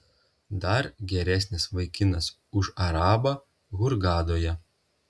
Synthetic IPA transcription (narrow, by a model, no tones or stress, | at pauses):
d̪ɐɾɡʲɛɾʲæsʲnʲɪsʋɐɪkʲɪnɐs | ʊʃɐɾɑːbɑ | ɣʊɾɡɑːd̪oːjɛ